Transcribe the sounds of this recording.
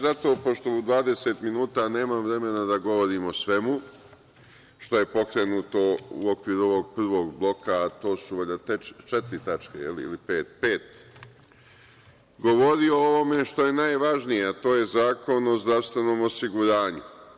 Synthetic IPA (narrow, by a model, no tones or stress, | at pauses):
zat̪o̞ːpo̞ʃt̪o̞ud̪ʋaːd̪e̞seːt̪minuːt̪ane̞ːmamʋɾe̞me̞nad̪aɡo̞ʋo̞ɾiːmo̞sʋe̞mu | ʃt̪o̞je̞po̞kɾe̞nuːt̪o̞ṵo̞kʋiːɾuo̞ʋo̞ɡ̚pr̩ʋo̞ːɡblˠo̞kaːt̪o̞ːsuʋeʎat̪et͡ʃet̪ɾit̪at͡ʃkḛjḛliḭlipe̞ːt̪pe̞ːt̪ | ɡo̞ʋo̞ɾio̞oʋo̞me̞ʃt̪o̞je̞najʋaʒnijeat̪o̞ːje̞zaːko̞no̞zd̪ɾaʋst̪ʋe̞no̞ːmo̞siɡuɾaːɲu